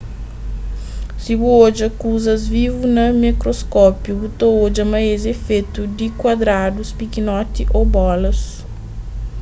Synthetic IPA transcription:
sibuoʒɐkuzɐzvivunɐmikɾoskɔpjuut̪ooʒɐmɐezefet̪ud̪ɪkwad̪ɾad̪ʊspikinɔt̪iʔowbɔlɐs

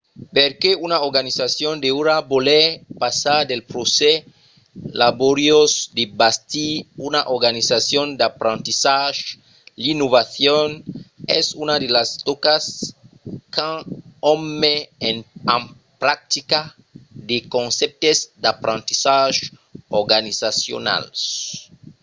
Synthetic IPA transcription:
peɾkeunaoɾɣanisasjõnd̪euɾabolepasaɾd̪elpɾose | laβoɾjosd̪ebast̪iunaʔoɾɣanisasjõnd̪apɾãnt̪isaʃ | linoβaθjonḛsunad̪elast̪okas | kʰãomːeenãm | pɾak̚t̪ika | d̪ekõnsep̚t̪ezd̪apɾãnt̪isaʒ | oɾɡanisasjo̰na̰ls

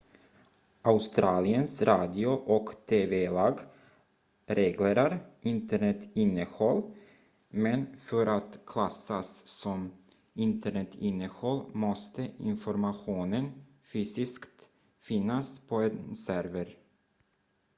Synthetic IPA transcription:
ʔaʊst̪ɾɑːlɪənsɾɑːd̪ɪʊʔɔkt̪ʰeːvɛlɑːɡ | ɾeːɡleːɾaɾʔɪnt̪əɳɛt̪ɪnːəhɔlː | mɛnfœɾʔat̪kʰlasːasːɔm | ɪnt̪əɳɛt̪ʰɪnːəhɔlːmɔst̪əɪ̰nfɔɾmaɧuːnən | fyːsɪskt̪ | fɪnːaspʰɔɛnsæɾvəɾ

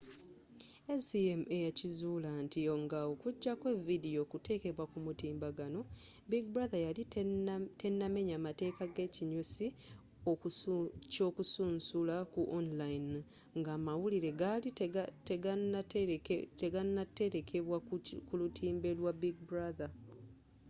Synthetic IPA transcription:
esiemue̞jacizulantijoŋɡaokuɟːakwe̞vidio̞kute̞ːke̞βwakumutiːmbaɡano̞biɡbɾaðajalite̞nːame̞ɲaːmate̞ːkaɡe̞ciɲusi | okco̞ːkusuːnsulakuʔonlain | ŋɡaːmawuliɾe̞ɡaliteɡaa | teɡanːatːe̞ɾekʰeβwakulutʰiːmbe̞lwabiɡ̚bɾaða

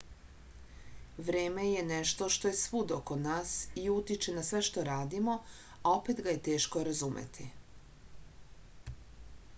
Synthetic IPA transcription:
ʋɾeːme̞je̞neʃt̪o̞ʃt̪o̞je̞sʋud̪o̞konaːsiut̪it͡ʃenasʋe̞ʃt̪o̞ɾaːd̪imo̞ | ao̞pet̪ɡaje̞t̪e̞ːʃko̞ɾazumḛt̪i

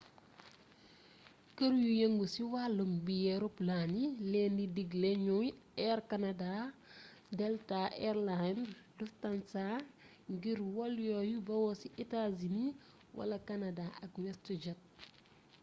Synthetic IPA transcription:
kəɾjujeŋɡusiwalumbijɛɾuplanilɛndidiɡlɛɲɔɛɾkanada | dɛltaʔɛɾlanduftansa | ŋɡiɾwɔljɔjubɐwɔsiʔitazini | wʔɐ̰lɐkɐnɐdaɐkmɛstud͡ʒɐt̚

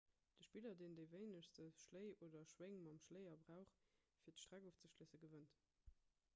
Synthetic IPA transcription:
d̥əʃpilɐdeːndəɪvəɪnəʃstəʃləɪoːdɐʃweŋmɑmʃlɜɪɐbʁæʊχfiːɐtəʃtʁ̥æɡoːft͡səʃlisəɡəvənt

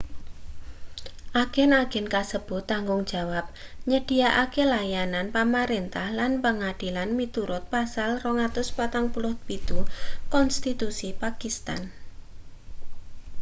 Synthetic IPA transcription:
ʔaɡ̥ɛnaɡ̥ɛnkasəb̥ʊ̤ht̪ːaŋɡʊŋ̥d͡ʒ̥a̤wap̚ɲəɖ̥i̤aʔakelajananpamaɾent̪ahlanpəŋad̥ilanmit̪uɾʊt̪̚pasalrɔŋat̪ʊspat̪aŋpulʊh̪̚bid̪̥ukɔnst̪it̪usipakist̪a̰n

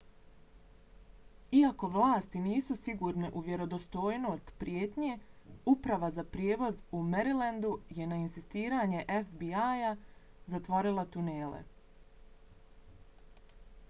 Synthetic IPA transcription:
iako̞ʋlˠaːst̪iniːsusiɡuːɾneʔuʋje̞ɾo̞d̪o̞st̪o̞ːjno̞ːst̪pɾjeːt̪ɲeupɾaʋazapɾje̞ːʋo̞zumeɾiland̪uje̞nainsist̪iːɾaːɲe̞ʔefbiaja | zat̪ʋoːɾilˠat̪uneːlḛ

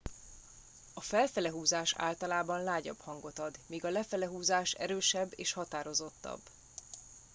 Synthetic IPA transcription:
ɒfɛlfɛlɛɦuːzaːʃa̰ːlt̪ɒlaːbɒnlaːɟɒ̰phɒŋɡo̞t̪ɒd̪miːɡɒlɛfɛlɛɦuːzaːʃɛ̰ɾøːʃɛbːḛːʃhɒt̪aːɾo̞zo̞t̪ːɒ̰b

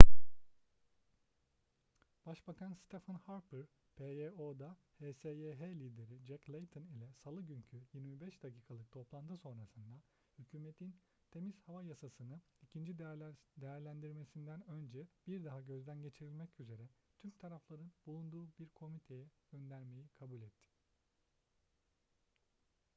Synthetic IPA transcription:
b̥aʃbakʰanst̪ʰefanhaɾpʰɯɾ | pʰeeod̪aheːseeɦelʲiːd̪e̞ɾid͡ʒɛclʲˠejt̪ʰɯnilʲɛsalˠɯɟyɲcʰyjiɾmibɛʃd̪̥acʰiːkʰalˠɯk̚t̪ʰo̞plˠant̪ʰɯso̞nɾasɯnd̪a | hycʰyːmet̪ʰin | t̪ʰe̞miz̥havajasasɯnɯ | icʰind͡ʒid̪d̪ejæɾlʲænd̪iɾme̞sind̪ænø̞nd͡ʒɛbiɾd̪aɦaɟø̞zd̪ænɟe̞t͡ʃʰiɾilʲmɛcyze̞ɾɛt̪ʰymt̪ʰaɾaflˠaɾɯnbulˠund̪uːbiɾkʰo̞mit̪ʰe̞jɛɟ̥ø̞nd̪æɾme̞jikʰabulʲɛt̪ʰːɪ̥

